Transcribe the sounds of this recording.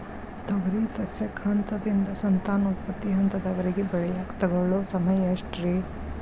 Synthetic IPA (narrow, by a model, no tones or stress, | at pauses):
d̪ɔɡɐɾisɐsjɐkʰːaːnt̪ɐd̪ind̪ɐsɐnt̪aːnɐupɐt̪ːiɦɐnt̪ɐd̪ɐʋɐɾiɡebɛɭɛjaːkt̪ɐɡɐɭosɐmɐjɐʂʈɾi